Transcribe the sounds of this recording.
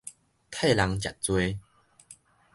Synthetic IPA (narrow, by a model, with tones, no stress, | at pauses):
kʰe˥˧˨la˨˧˦ŋt͡ɕa̰˨˩t̚t͡swe˦˧